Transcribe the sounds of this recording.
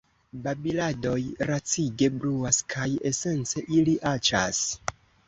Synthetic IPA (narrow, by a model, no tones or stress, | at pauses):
babilado̞jɾat͡siɡe̞bluaskʰaje̞se̞nt͡se̞ʔiliʔat͡ʃa̰s